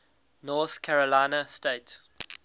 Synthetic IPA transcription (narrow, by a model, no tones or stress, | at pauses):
nɔːˑθkʰaɹəlaɪnəsteɪt